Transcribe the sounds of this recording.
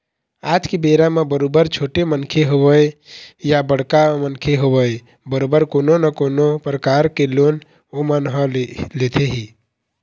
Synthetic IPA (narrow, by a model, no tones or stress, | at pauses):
ad͡ʒkebeɾamebəɾobəɾt͡ʃʰoʈemənkʰeɦobəjjabəɽ̤kamənkʰeɦobəj | bəɾobəɾkononəkonopɾəkaɾkelon | omənɦəllet̪ʰeɦi